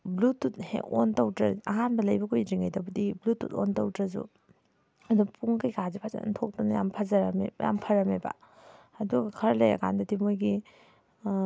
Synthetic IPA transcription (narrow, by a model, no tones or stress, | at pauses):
blutːut̚hḛkontɐwdɾɐɐɦanbɐlɐjbɐkʰojɾiŋajdɐbɐdiblutːṵto̰ntɐwdɾɐzṵ | ɐdupuŋkɯjkazipʰaza̰ntʰok̚dɔnɐja̰mpʰazɐɾɐmḛja̰mpʰɐɾɐmeba̰ | ɐduɡɐkʰɐɾlejɐ̰kʰa̰ndɐdimojɡi